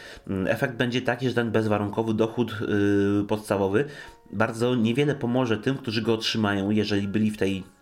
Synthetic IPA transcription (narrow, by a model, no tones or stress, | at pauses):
ʔɛ̰fɛɡ̚d̪̚bɛɲd͡ʑɛt̪akʲiʐɛt̪ɛnbɛzvaɾuŋkɔvɘd̪ɔxut̪ | pɔt̪st̪avɔvɘ | baɾd̪zɔɲɛvʲjɛlɛpɔmɔʐɛt̪ɘmkt̪uʐɘɡɔːtʂɘmajɔ̃w̃jɛʐɛlʲibɘlʲift̪ɛj